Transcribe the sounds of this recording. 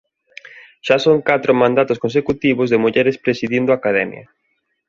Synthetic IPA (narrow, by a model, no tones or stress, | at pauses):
ʃasoŋkat̪ɾʊmãnd̪at̪ʊskõnsekut̪iβʊzðemuʎɛɾespɾesiðind̪oʊakaðɛmj̰ɐ̰